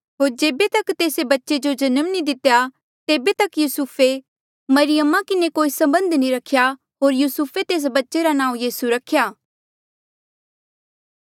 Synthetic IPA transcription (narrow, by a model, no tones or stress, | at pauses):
ɦoːɾd͡ʒeːbet̪ɐkt̪eːsebɐtːʃed͡ʒod͡ʒɐnəmnid̪ɪt̪eja | t̪eːbet̪ɐkjuːsuːpʰe | mɐɾɪjəmãkɪnekoːisɐ̃mbə̃nd̪nĩɾɐkʰja | ɦoːɾjuːsupʰet̪eːs̬bɐtːʃeɾanãːũjiːsuɾɐkʰjaː